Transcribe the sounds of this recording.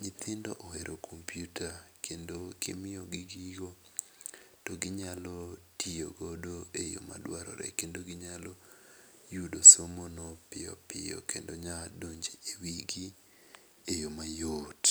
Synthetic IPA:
ɲɪt̪ɪndɔʔɔheɾʔokʰompjutakʰendokɪ̰mɪjɔɡɪɡiɡo | toɡɪɲalɔtio̰ɡodoejo̰ma̰dwaɾɔ̰ɾɛ̰kendoɡɪɲalɔ | judosomonopɪjɔ̰pɪ̰jɔ̰kendoɲadoɲd͡ʒeewiɡi | ejomajot

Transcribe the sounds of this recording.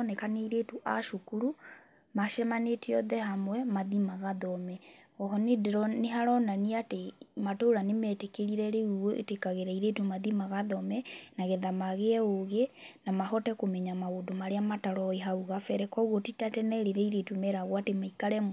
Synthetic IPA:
nɛkaneiɾetuʔa̰ʃukuɾu | maʃɛmaneteɔðɛhamwɛmaðimaɣaðɔmɛɔɦɔnedeɾɔneɦaɾɔnaniatematoɾanemɛtekeɾiɾɛɾeuoʔḛtekaɣeɾaiɾetumaðimaɣaðɔmɛnaɣɛðamaɣeɛoɣenamahɔtɛkomɛɲamaodomaɾeamataɾɔeɦauɣafɛɾɛkɔɣotitatɛnɛɾeɾɛiɾetumɛɾaɣwatemaikaɾɛ

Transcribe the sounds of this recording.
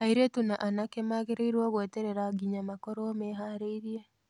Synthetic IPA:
aiɾetunaʔanakemaɣeɾeiɾwɔɣweteɾeɾaɡiɲamakɔɾomeɦaːɾeiɾie

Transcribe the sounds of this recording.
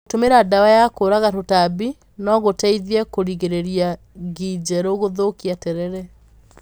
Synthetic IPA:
otomeɾadawajakoɾaɣatotabi | nɔɣotaiðjɛkoɾiɣeɾeɾia | ɣid͡ʑɛɾoɣoðokiatɛɾɛɾɛ

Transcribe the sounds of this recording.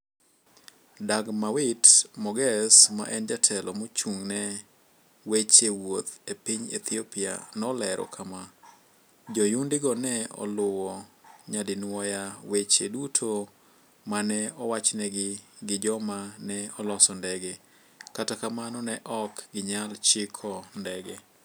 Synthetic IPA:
daɡmawɪtmɔɡɛsma̰ʔɛnd͡ʒatʰɛlɔmot͡ʃuŋnɛ | wet͡ʃewot̪epiɲḛt̪ʰiopia̰nɔlɛɾʔɔ̰kʰama | d͡ʒɔjundɪɡɔnɛɔ̰lʊwɔɲadɪnwɔjawet͡ʃḛdutʰo | manɛɔwat͡ʃnɛɡɪ | ɡɪd͡ʒɔmanɛɔlɔsɔndɛɡe | katakamanɔnɛʔɔkɡɪɲalt͡ʃɪkʰɔndɛɡe

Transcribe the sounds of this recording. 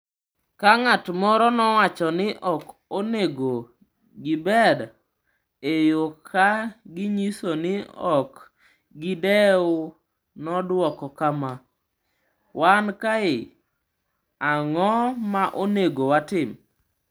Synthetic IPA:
kaŋatmɔɾɔnɔwat͡ʃɔnɪʔɔkoneɡo | ɡɪbɛd | ejokʰaɡɪɲisonɪɔk | ɡɪdɛʊ | nɔdwɔkɔkama | wankaɪ | aŋɔmaʔoneɡowatɪm

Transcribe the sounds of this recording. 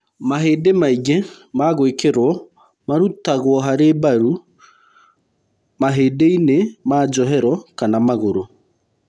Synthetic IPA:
maɦeːdemaiɣemaɣwekeɾwɔ | maɾutaɣwɔɦaɾebaɾu | maɦeːdeinemaːd͡ʒɔɦɛɾɔkanamaɣoɾo

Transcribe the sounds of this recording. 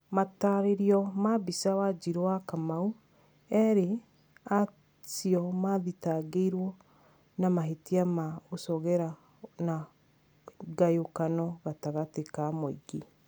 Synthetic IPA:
mataɾeɾiɔmabisawad͡ʒiɾowakamau | ɛɾe | a | siɔmaðitaɡeiɾwɔ | namaɦetiamaosɔɣɛɾa | na | ɡajokanɔɣataɣatekamoiɡi

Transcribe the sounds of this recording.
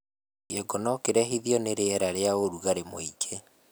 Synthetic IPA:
jɛɡɔnɔkeɾɛɦiðjɔneɾeɛɾaɾeaoɾuɣaɾemoikʰe

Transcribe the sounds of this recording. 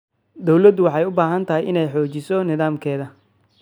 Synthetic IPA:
d̪ɔwlɐd̪wɑħɑjʊbaːɦɐnt̪ʰɐɦɪjʔɪnɛjħɔːt͡ʃɪsɔnɪðaːmkʰɛːðɐ

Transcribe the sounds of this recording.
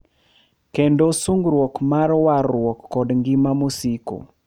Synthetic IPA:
kendosuŋɡɾwokmarwarwɔkːɔdŋɡimamosiko̰

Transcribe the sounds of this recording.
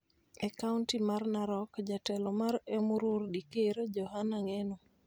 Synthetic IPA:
ɛkauntimarnaɾɔkd͡ʒatɛlɔmaɾemuɾurdikeɾod͡ʒɔɦanaŋeno

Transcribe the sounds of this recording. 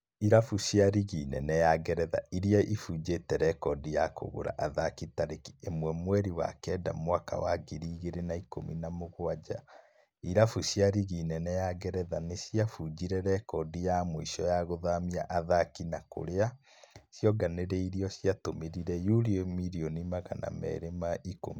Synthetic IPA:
iɾafuɕjaɾiɣinɛ̰nɛjaɡɛɾɛða̰iɾiaʔifuːd͡ʒetɛɾɛkɔdijako̰ɣo̰ɾa̰ʔaðakitaɾeki̥emwɛmwɛɾiwa̰kɛda̰mwaka̰waɡiɾiɣeɾenaiko̰mḭnamoɣoad͡ʑa | iɾafusjaɾiɣinɛnɛjaɣɛɾɛðanesiafud͡ʒiɾɛɾɛkɔdijamoiʃɔjaɣoðamiaʔaðakinako̰ɾea | sjɔɡaneɾeiɾiɔɕiatomeɾiɾɛjuɾiomiɾionimaɣa̰na̰mɛ̰ɾemaʔiko̰mi

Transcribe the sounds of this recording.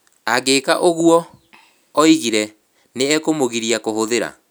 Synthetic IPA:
aɡekaʔoɣuɔː | iɣiɾɛ | neɛkomoɣiɾiakohoðeɾa̰

